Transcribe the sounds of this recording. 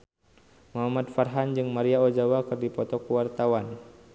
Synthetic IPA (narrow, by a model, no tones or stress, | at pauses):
maɦamat̪̚farɦand͡ʒɨŋmaɾiaɔd͡ʒawakɨrdipɔt̪ɔkuwart̪awan